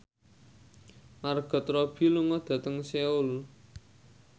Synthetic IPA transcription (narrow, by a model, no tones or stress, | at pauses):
marɡ̥ɔ̤t̪rɔb̥i̤luŋɔd̪̥ä̤t̪əŋseʊl